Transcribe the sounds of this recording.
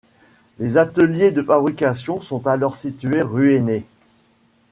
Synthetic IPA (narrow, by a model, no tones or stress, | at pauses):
lezat̪əljed̪əfabʁikʲasjɔ̃sɔ̃t̪alɔʁsit̪yeʁyene